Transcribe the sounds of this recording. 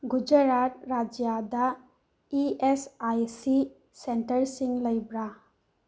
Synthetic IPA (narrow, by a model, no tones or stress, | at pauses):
ɡud͡ʒəɾaɾɾad͡ʒjad̪a | iesajsi | senʈəɾsiŋləjbɾa